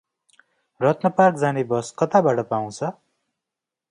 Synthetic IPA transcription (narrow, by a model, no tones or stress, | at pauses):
rʌt̪nʌparkd͡zanebʌskʌt̪abaʈʌpaw̃t͡sʰʌ